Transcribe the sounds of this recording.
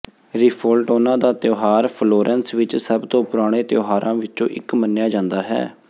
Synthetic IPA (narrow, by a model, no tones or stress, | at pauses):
ɾɪpʰolʈʊnãːd̪aːt̪joːɦaːɾpʰloːɾʔɛnsʋɪt͡ʃsəbt̪õːpʊɾaːɽ̃eːt̪joːɦaːɾʔãːʋɪt͡ʃõ̰ːʔɪ̰kmənːjaːd͡ʒãːnd̪aːɦɛ̰ː